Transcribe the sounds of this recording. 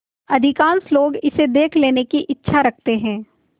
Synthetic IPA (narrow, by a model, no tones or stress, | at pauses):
ɐd̪ʱɪkãːnsloːɡɪsed̪eːkʰleːnekiʔɪtːʃʰaɾɐk̚ʰt̪eɦɛ̃ː